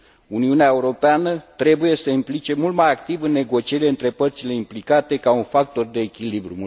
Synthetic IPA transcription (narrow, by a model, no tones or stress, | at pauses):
uniuneaeuɾo̞peanət̪ɾe̞buje̞səimplit͡ʃe̞mult̪majakt̪ivɨnːe̞ɡo̞t͡ʃieɾileɨnt̪ɾe̞pərt̪sile̞implikat̪e̞kaunfak̚t̪o̞rd̪e̞ːkʲilibɾṵm